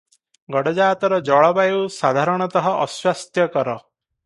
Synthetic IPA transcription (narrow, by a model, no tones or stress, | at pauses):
ɡɔɽɔd͡ʒaːt̪ɔɾɔd͡ʒɔɭɔbajewsad̪ʱaɾɔɽ̃ɔt̪ɔɦɔʔɔswast̪jɔkɔɾɔ